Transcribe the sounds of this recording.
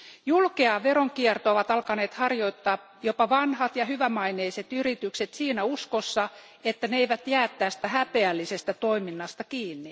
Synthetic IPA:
julkeɑʋeɾoŋkiert̪ooʋɑt̪ɑlkɑneːt̪hɑrjoit̪ːɑː | jopɑʋɑnhɑt̪jɑhyʋæmɑineiset̪yrit̪ykset̪siːnæuskosːɑ | et̪ːæneeiʋæt̪jæːt̪ːˑæːsi̥t̪æhæpeælːisest̪æt̪oiminːɑst̪ɑkiːnːi

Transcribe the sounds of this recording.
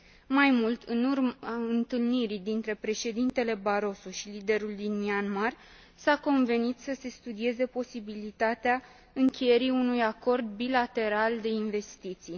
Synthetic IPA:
majmult̪ɨnurmaɨnt̪ɨlniɾid̪int̪ɾe̞pɾe̞ʃe̞d̪int̪e̞le̞baɾo̞soʃilid̪e̞ɾuld̪inmianmar | sako̞nve̞nit̪səse̞st̪ud̪ie̞ze̞po̞sibilit̪at̪ea | ɨŋkʲeje̞ɾiunujako̞rd̪̚bilat̪e̞ɾald̪e̞inve̞st̪it̪sij

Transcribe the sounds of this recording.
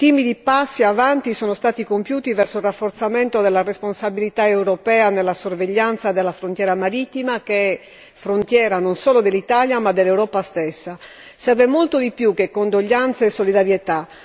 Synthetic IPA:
t̪iːmid̪ipasːiavant̪isɔːnost̪aːt̪ikompjuːt̪ivɛrsoilrafːort̪sament̪od̪elːaresponsabilit̪aewɾopɛːanelːasorveʎːant̪sad̪elːafɾont̪jɛːɾamaɾit̪ːimakeɛ | fɾont̪jɛːɾanonsɔːlod̪elːit̪aːljamad̪elːewɾɔːpast̪esːa | sɛrvemolt̪od̪ipjukːekːond̪oʎːant̪saesːolid̪aɾjet̪a

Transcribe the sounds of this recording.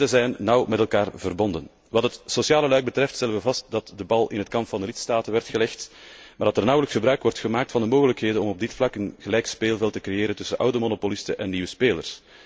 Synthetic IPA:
əzɛjnːɑwmɛtɛlˠkaːrvərbɔndən | ʋɑtɦətsosjaːləlœɥɡ̚bətɾɛftst̪ɛlənʋəvɑst̚dɑtdəbɑlˠɪ̰nɦətkɑmpfɑndəlɪtstaːtənʋɛrtxəlɛxtmaːrdɑtɛrnɔwləksxəbɾœɥkʋɔrtxəmaːk̚tfɑndəmoːɣələkɦeːdənɔmɔb̚dɪtflɑkənɣəlɛjkspeːlˠvɛlˠtəkrejeːɾəntɵsənʔawdəmonopolɪstə̰ʔɛnːiːʋəspeːlərs

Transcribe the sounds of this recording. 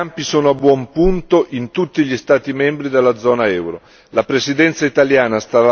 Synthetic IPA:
ampisoːnoabːwɔmpunt̪oʔint̪ut̪ːiʎist̪aːt̪imɛmbɾid̪elːad̪zːɔːnaɛwɾo | lapɾesid̪ɛnt̪sait̪aljaːnast̪aɾa

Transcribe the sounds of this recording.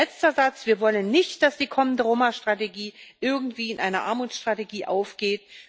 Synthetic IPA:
ɛt͡stɐzat͡sv̥iːɐvɔlənːɪçt̚d̥asd̥iːkʰɔməndəʁoːmaʃtʁ̥ateɡiːʔɪɐɡŋ̩tv̥iːɪnʔaɪnɐʔaɐmuːsʃtʁ̥ateɡiːʔaʊfɡ̥eːt

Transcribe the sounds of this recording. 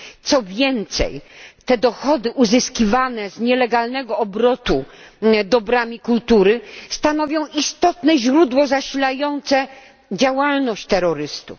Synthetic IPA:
t̪sɔvʲjɛnt̪sɛ̰jt̪ɛd̪ɔxɔd̪ɘʔuzɘskʲivanɛzɲɛlɛɡalnɛɡɔɔbɾɔt̪ud̪ɔbɾamʲikult̪uɾɘst̪anɔvʲjɔ̃w̃ist̪ɔt̪nɛʑɾud̪wɔzaɕilajɔnt̪sɛ | d͡ʑawalnɔɕt͡ɕt̪ɛɾɔɾɘst̪ṵf

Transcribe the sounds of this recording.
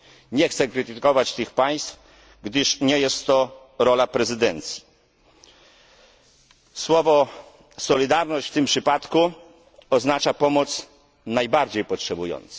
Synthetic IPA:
ɲɛxt̪sɛkɾɘt̪ɘkɔvat͡ɕt̪ɘxpaj̃st̪f | ɡd̪ɘʂɲɛjɛst̪ːɔ | ɾɔlapɾɛzɘd̪ɛnt̪sʲji̥ | swɔvɔ | sɔlʲid̪aɾnɔɕt͡ɕft̪ɘmpʂɘpat̪ku | ɔznat͡ʂapɔmɔt̪s | najbaɾd͡ʑejpɔtʂɛbujɔ̰nt̪sɛ̥

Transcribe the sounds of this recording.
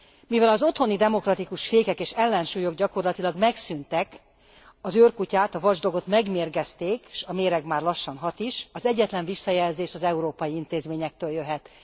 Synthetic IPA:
mivɛlɒzo̞t̪ho̞nid̪ɛmo̞krɒt̪ikuʃfeːkɛkeːʃɛlːɛnʃuːjo̞ɡɟɒko̞rlɒt̪ilɒɡmɛksynt̪ɛk | ɒzøːrkucaːt̪ɒvɒʒd̪o̞ɡo̞t̪mɛɡmeːrɡɛst̪eːkʃɒmeːɾɛɡmaːrlɒʃːɒnɦɒt̪iʃɒzɛɟːɛt̪lɛɱvisːɒjɛlzeːʃɒzɛuɾoːpɒjiint̪eːzmeːɲɛk̚t̪øːljøɦɛt̪

